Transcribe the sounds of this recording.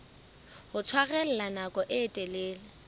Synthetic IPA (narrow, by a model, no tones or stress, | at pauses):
hʊt͡sʰwaɣɛl̩lanakʼɔʔɪːtʼelɪːlɪ